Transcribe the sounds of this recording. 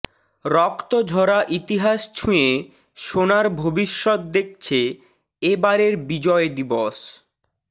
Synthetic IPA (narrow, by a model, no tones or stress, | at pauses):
ɾɔkt̪od͡ʑʱɔɾaʔit̪iɦaʃt͡ɕʰũje | ʃonaɾbʱobiʃːɔt̪̚d̪ek̚t͡ɕʰe | ebaɾeɾbid͡ʑɔed̪ibɔʃ